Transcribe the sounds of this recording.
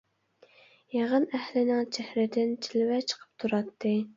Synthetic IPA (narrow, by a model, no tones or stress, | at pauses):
jɑʁənæhlɪnɪŋt͡ʃʰɛhɾɪd̪ɪnt͡ʃʰilɪwɛt͡ʃʰə̥qʰə̥p̚t̪ʰuɾɑt̪ʰːɨ